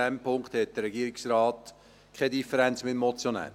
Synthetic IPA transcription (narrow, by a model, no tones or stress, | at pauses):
ɛmpʰʊŋkt̪hɛt̚d̥əɾɛɡiəɾɪksrɑːt | kʰɛdifəɾɛnt͡smɪtmɔt͡sjonɛ̰ː